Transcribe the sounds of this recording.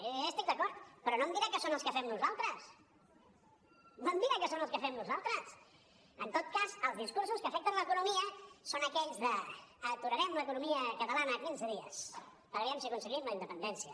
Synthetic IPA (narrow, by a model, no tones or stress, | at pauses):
əst̪ik̚d̪əkɔɾt̪pɾɔnomd̪iɾakəsonəlˠskəfɛmnuzalˠt̪ɾəs | nomd̪iɾakəsonəlˠskəfɛmnuzalˠt̪ɾəs | ənt̪ot̪̚kazəlˠzðiskuɾsuskəfɛk̚t̪ənləkunumiəsonəkɛʎzðəːt̪uɾəɾɛmləkunumiəkət̪əlanəːkinzəðiə̰s | pəɣɾɛmsiəkunsəɣimləind̪əpənd̪ɛnsiə